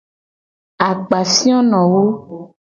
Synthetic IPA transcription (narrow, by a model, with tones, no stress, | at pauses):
a˨ɡ͡ba˨si˦ɔ̃˦nɔ̃˨wo˦